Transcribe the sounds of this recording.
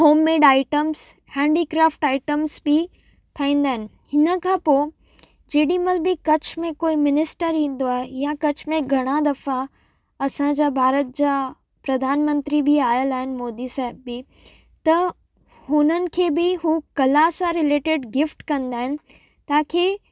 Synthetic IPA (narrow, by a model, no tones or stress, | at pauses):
ɦoːmːeːɖaːɪʈəms | hɛ̃ːɳɖiːkɾaːfʈaːɪʈəmsbɪ | t̪ʰaːĩːn̆d̪aːɦɪnɪ̆ | hɪnə̆kʰãːpo | d͡ʑeːɗimɐlbɪkɐt͡ɕmẽkoːimɪnɪsʈəɾĩːn̆d̪oaːɦejakɐt͡ɕmẽɡʱɐɽ̃ad̪ɐfa | ɐsãd͡ʑaːbʱaːɾət̪̚d͡ʑaː | pɾɐd̪ʱaːnmə̃nt̪ɾibiaːɪəlaːɦɪnɪ̆moːd̪isaːɦɪbːɪ | t̪ɐ | hʊnənɪ̆kʰeːbɪɦuːkɐlasãɾɪleːʈɪɖɡɪfʈkɐ̃nd̪aːɦɪnɪ̆ | t̪aːkʰeː